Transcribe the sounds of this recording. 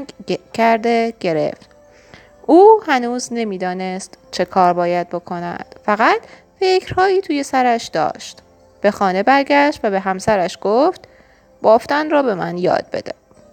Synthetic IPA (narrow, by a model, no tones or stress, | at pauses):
cʰæɾd̪eɡ̥e̞ɾḛft̪ | ʔuːhænuːzne̞miːd̪ɒːne̞st̪t͡ʃʰe̞kʰɒːɾbɒːjæd̪̥̚bo̞kʰo̞næ̰d̪̥fæɣæt̪ʰ | fe̞cɾ̥hɒːiːt̪ʰuːje̞sæɾæʃd̪̥ɒ̰ːʃt̪ | b̥e̞xɒːne̞bæɾɡæʃt̪væbe̞ɦæmsæɾæʃɡ̥oft̪ | b̥ɒːft̪ænrɒːbe̞mænjɒ̰ːd̪̥̚be̞̰d̪e